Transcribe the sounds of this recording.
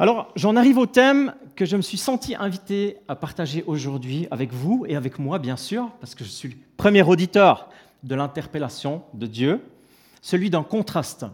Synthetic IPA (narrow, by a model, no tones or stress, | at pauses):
alɔʁʒɑ̃naʁivot̪ɛmkəʒəməsɥisɑ̃t̪iʔɛ̃vit̪eapaʁt̪aʒeʔoʒuʁd̪ɥia̰vɛkvueavɛkmwabjɛ̃syːʁpaʁsə̥kəʒəsɥiləpχəmjɛʁod̪it̪œːʁ | d̪əlɛ̃t̪ɛʁpelasjɔ̃d̪əd̪jø | səlɥid̪ɛ̃kɔ̃t̪χast̪